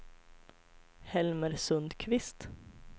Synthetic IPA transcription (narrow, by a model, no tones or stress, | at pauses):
hɛlməɾsɵnd̪kʰʋɪst̪